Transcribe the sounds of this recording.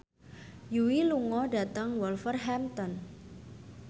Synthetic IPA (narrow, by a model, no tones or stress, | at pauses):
juwiluŋɔda̤t̪aŋwɔlfərɦɛmt̪ɔn